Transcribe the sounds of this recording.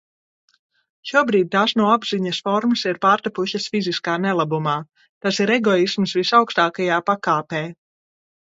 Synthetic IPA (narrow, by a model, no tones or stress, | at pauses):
ʃuɔbɾiːd̪̚ʲt̪aːsnuɔabziɲɐsfɔɾmɐsiɾpaːɾt̪apuʃɐsfiziskaːnɛlˠabumaː | t̪asiɾɛɡɔismsvisawkst̪aːkajaːpakaːpɛː